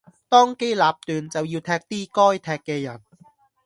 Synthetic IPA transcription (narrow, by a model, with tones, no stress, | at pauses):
t̪ɔː˥ŋke˥jlaː˨˧p̚t̪yː˨nt͡sɐ˨wjiː˧wt̪ʰɛː˧k̚t̪iː˥kɔː˥jt̪ʰɛː˧kkːɛː˧jɐ˨˩n